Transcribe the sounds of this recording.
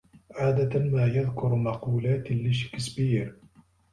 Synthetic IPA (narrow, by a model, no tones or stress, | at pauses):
ʕaːd̪at̪maːjaðkʊɾmɑquːlaːt̪lɪʃɪ̥kɪsbiːɾ